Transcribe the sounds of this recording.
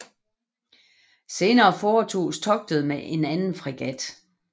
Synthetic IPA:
se̝ːnɐːfɒːt͡sʰo̝̰ːst͡sʰɒ̽ɡ̥̚d̥əð̞̩ˠmeʔe̝nænn̩fʁiɡ̥æd̥

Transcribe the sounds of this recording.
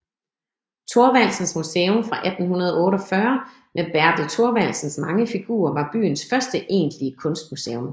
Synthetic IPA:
t͡sʰo̝ɐʋæl̰sn̩smuseɔmfʁɑ̈ʔæd̥n̩hunɐð̞ˠɔ̽ːɾəɒ̽fɶɐ | meb̥æɐ̰d̥ð̩ˠt͡sʰo̝ɐʋæl̰sn̩smɑ̈ŋəfiɡ̥ṵːɐʋɑ̈b̥y̰ːnsfɶɐsd̥əʔe̝̰ːnliəkʰɔ̽nsd̥museːom

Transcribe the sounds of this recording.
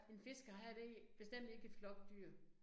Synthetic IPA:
e̝nfe̝sɡ̥ɐhædeb̥e̝sd̥em̰d̥e̝ɡ̥əflɒ̽ɡ̥̚d̥yɐ̰

